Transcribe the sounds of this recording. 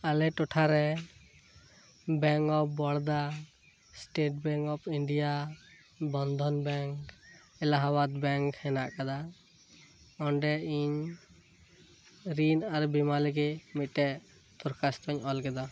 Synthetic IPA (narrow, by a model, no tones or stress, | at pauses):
alɛʈɔʈʰaɾɛ | bɛŋkɔp̚ʰbɔɽd̪a | sʈeʈ̚bɛŋkɔpʰiɳɖija | bɔnd̪ʱɔnbɛŋk | ɛlaɦabat̪̚bɛŋkhɛna̰ʔkad̪a | ɔɳɖɛiɲ | ɾinaɾbimaliɡɛmit̪̚ˀʈɛʔ | t̪ɔɾkast̪ɔɲɔlɡɛd̪a